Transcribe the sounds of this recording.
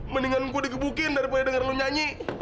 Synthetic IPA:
məniŋanŋkudik̬əbukɪndaɾipadadəŋarluɲaɲi

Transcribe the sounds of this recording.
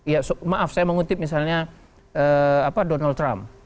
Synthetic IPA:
ijasomaʔafsajaməŋut̪ɪp̚misalɲa | əapadonalt̪ɾam

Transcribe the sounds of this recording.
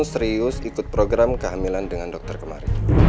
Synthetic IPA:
nsɾiʊsikʊt̪̚pɾoɡɾamkəɦamilandəŋandɔk̚t̪ərkəma̰ɾi

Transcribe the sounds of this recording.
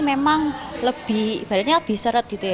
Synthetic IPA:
memaŋləb̥ib̥a̤ɾaneləb̥i̤hsəɾət̪̚d̪i̤t̪e

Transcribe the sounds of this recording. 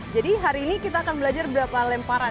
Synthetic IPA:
d͡ʒadiɦaɾiːnikit̪aːkanbəlad͡ʒarbəɾapalɛmpaɾa

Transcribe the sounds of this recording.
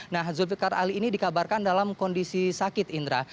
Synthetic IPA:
nahzubikara̰liːnidikabarkandalamkɔndisisakɪt̪ind̪ɾa

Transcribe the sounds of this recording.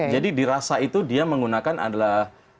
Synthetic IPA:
d͡ʒadidiɾasait̪udiaməŋɡunakanʔa̰dalah

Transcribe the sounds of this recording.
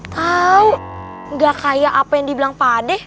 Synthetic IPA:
t̪auŋɡakajaʔapajaŋdibilaŋpadɛh

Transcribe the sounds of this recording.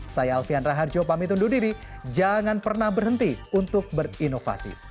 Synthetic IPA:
sajalfianraɦard͡ʒopamit̪̬undudiɾid͡ʒaŋanpərnahbərɦənt̪iunt̪ʊk̚bərinofa̰sḭ

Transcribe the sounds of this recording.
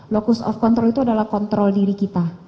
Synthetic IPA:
lokusɔ̰fkɔnt̪ɾɔlit̪uadalahkɔnt̪ɾɔldiɾikit̪a

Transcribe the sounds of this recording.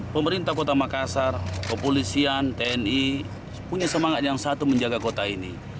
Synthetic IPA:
pəməɾint̪ahkɔt̪amakasarkəpɔlisiant̪ɛɛni | puɲasəmaŋat̪̚jaŋsat̪uməɲd͡ʒaɡakɔt̪ainḭ

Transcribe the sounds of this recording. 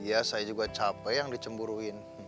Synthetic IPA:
jasajad͡ʒuɡat͡ʃapɛjaŋdit͡ʃəmbuɾuɪn

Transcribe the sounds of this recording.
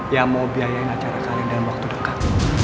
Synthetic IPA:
jamawbiajaɪnat͡ʃaɾasalɪŋdalamwak̚t̪udəkat̪̚

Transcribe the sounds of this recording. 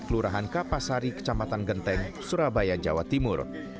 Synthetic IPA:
kəluɾaɦankapasaɾikə̥t͡ʃamat̪anɡənt̪ɛŋsuɾabajad͡ʒa̰wa̰t̪imʊr

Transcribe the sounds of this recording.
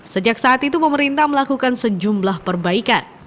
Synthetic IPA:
səd͡ʒak̚saːt̪it̪upəməɾint̪ahməlakukansəd͡ʒumblahpərbaikan

